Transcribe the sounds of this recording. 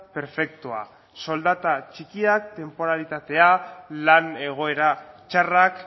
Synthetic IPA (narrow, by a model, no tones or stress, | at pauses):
pe̞ɾfe̞k̚t̪oa̰ | so̞ld̪at̪at͡ʃikiak̚t̪e̞mpo̞ɾalit̪at̪e̞alane̞ɣ̞o̞e̞ɾat͡ʃarak